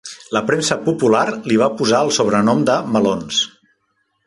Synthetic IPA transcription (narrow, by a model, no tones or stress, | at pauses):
ləpɾemsəpupulaɾliβ̞apuzaəlˠsoβ̞ɾənɔmd̪əməlons